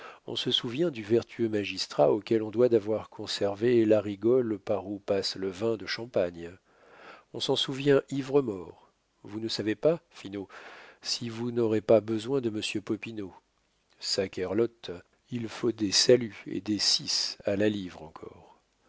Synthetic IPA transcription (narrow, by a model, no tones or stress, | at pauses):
ɔ̰̃səsuvjɛ̃d̪yvɛʁt̪ʰyømaʒist̪χaokʲɛlɔ̃d̪wad̪avwaʁkʰɔ̃sɛʁvelaʁiɡɔlpaʁupasləvɛ̃d̪əʃɑ̃paɲ | ɔ̃sɑ̃suvjɛ̃ʔivʁəmɔʁ | vunəsavepafinosivunɔʁepabəzwɛ̃d̪əməsjøpɔpino | sakʲɛʁlɔt̪ | ilfod̪esalyḛd̪esisalalivʁɑ̃kʰɔ̰ːʁ